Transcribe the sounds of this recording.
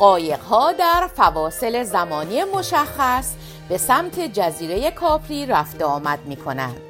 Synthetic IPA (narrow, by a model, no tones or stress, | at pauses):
ɢɒːje̞ɢhɒːd̪æɾfævɒːse̞le̞zæmɒːniemo̞ʃæxːæs | be̞sæmt̪ʰe̞d͡ʒæziːɾe̞je̞kʰɒːpʰɾiːɾæft̪eɒːmæd̪̥miːkʰo̞næ̰nd̪̥